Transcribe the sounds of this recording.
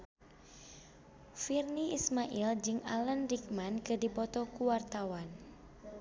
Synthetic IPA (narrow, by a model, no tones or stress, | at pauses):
firniismaʔild͡ʒɨŋalənrik̚mankɨrdipɔt̪ɔkuwart̪awan